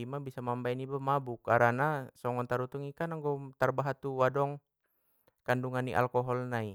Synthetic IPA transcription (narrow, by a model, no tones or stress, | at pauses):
imabisamambainibamabukaɾanasɔŋɔnt̪aɾut̪uŋikanaŋɡɔt̪arbaɦat̪uwadɔŋ | kanduŋanːḭʔa̰lkɔɦɔlnai